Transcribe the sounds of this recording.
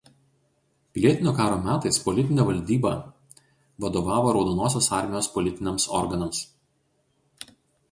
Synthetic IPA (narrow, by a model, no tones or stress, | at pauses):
pʲɪlʲiɛt̪ʲɪnʲoːkɑːɾoːmʲæːt̪ɐɪspɔlʲɪt̪ʲɪnʲɛːʋɐlʲd̪ʲiːbɐ̰ | ʋɐd̪oːʋɑːʋoːɾɒʊd̪oːnoːs̬ʲoːsɑˑɾʲmʲɪjoːspɔlʲɪt̪ʲɪnʲɛmsɔɾɡɐnɐms